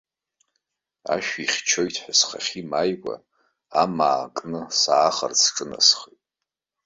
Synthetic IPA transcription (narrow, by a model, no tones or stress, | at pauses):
a̰ʃᶣiχʲt͡ʃʰo̞jtʰħasχaχʲimajkʷʼa̰ | amaːkʼnɨsaːχə̰rt͡sʰʈ͡ʂʼɨna̰sχejtʼ